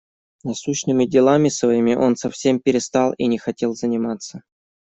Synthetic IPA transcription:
nɐsuɕnɨmʲɪdʲɪlˠamʲɪsvɐimʲɪʔo̞nsɐfsʲe̞mpʲɪɾʲɪst̪alˠinʲɪxɐtʲe̞lˠzənʲɪmat̪sə

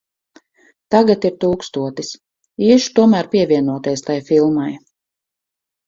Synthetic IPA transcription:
t̪aɡat̪iɾt̪uːkst̪uɔt̪is | iːʃt̪uɔmæːɾpʲiɛvʲiɛnuɔt̪ɛjst̪ajfilˠmaj

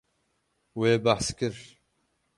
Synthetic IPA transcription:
weːbaħskɨɾ

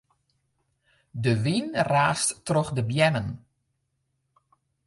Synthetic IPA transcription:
dəʋinraːsttrɔxdəbjɛnən

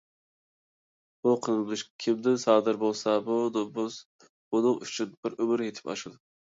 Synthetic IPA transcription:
buqʰənɨlˠɨʃkʲʰimd̪ɪnsɑːd̪ɨɾbolˠsɑbud̪bus | b̥unɨŋyt͡ʃʰynbɪɾømɪɾjet̪ʰɪ̥pɑ̰ʃɨd̪ɨ

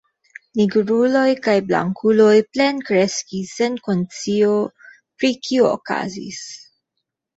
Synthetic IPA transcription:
niɡɾulo̞jkajbla̰ŋkʰulo̞jple̞nkɾe̞skisːe̞nko̞nt͡sio̞ | pɾikʰioo̰ka̰zḭs

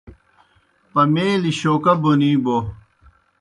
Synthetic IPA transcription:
pɐmeːliɕoːkɐboniːbo

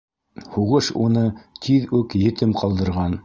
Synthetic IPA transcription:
huʁɤʃunɤt̪ʰiðʉkjɘ̆t̪ɘmqɑlˠd̪ɤ̆ɾʁɑn

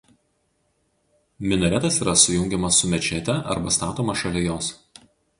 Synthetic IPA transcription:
mʲɪnɔɾʲɛt̪ɐsiːɾɐsʊjʊŋʲɡʲɛmɐsːʊmʲɛt͡ʃʲɛt̪ʲɛʔɐ̰ɾbɐst̪ɑːt̪oːmɐʃɐlʲɛjoːs

